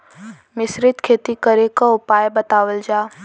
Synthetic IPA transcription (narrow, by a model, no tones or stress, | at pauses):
mɪsɾɪt̪kʰeːt̪ikəɾekaʊpaːjbət̪aːwəld͡ʒaː